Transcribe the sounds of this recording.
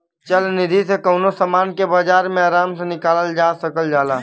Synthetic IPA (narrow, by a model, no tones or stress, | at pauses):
t͡ʃɐlnɪd̪ʱisekəːnosamaːnkebaːd͡ʒaːɾmẽaːɾaːmsenɪkaːləld͡ʒaːsɐkəld͡ʒaːlaː